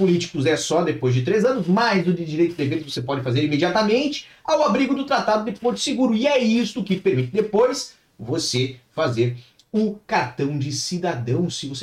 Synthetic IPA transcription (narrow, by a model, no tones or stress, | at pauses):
pʊlit͡ʃi̥kʊzɛsɔd̪epojzd͡ʒɪt̪ɾejzɐ̃nʊsmajzʊdɪd͡ʒiɾejt̪ʊd̪eveɾɪvosepɔd͡ʒɪfazeɾimed͡ʒiat̪amẽnt͡ʃɪ̥awabɾiɡʊd̪ʊt̪ɾat̪ad̪ʊd̪eppoɾt͡ʃɪ̥sɪɡuɾʊɪɛist̪ʊkɪpeɾmit̪ɪd̪epojs | vosefazeɾ | ʊ̃kaɾt̪ɐ̃w̃d͡ʒɪsid̪ad̪ɐ̃w̃sɪvose